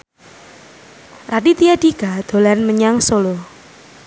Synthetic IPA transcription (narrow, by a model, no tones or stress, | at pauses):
radit̪iadiɡad̪̥o̤lanməɲaŋsolo